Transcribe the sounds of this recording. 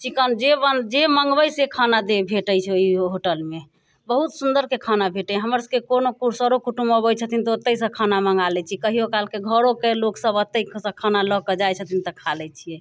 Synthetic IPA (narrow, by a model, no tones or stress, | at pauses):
t͡ʃikənd͡ʒebəd͡ʒeməŋɡbəjsekʰanad̪ebʱeʈəjt͡ʃʰɛoiɦoʈəlme | bəɦut̪sund̪əɾkekʰanabʱeʈɛɦəməɾskekonokuɾsəɾokuʈuməbəjt͡ʃʰət̪ʰint̪ɔot̪ːəsə̃kʰanaməŋɡalɛt͡ʃʰikəɦijokalkeɡʱəɾokeloksəbət̪ːəisə̃kʰanaləkəd͡ʒajt͡ʃʰət̪ʰint̪əkʰalɛt͡ʃʰijɛ